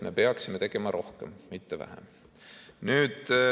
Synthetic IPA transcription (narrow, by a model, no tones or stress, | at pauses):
me̞pe̞ɑksimet̪eɡ̥e̞mɑɾʔo̞hkemːit̪ːevæ̰hæ̰m | nyːd̪̥